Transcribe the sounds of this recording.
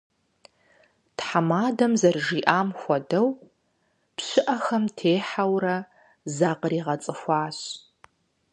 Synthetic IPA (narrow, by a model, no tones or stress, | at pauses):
tħamaːdɐmzɐrʒiːʔaːmxʷɔdɐw | pɕɪʔɐxɐmtʰeːħawrɐ | zaːqəɾiːʁɐt͡sʼɨxʷɑːɕ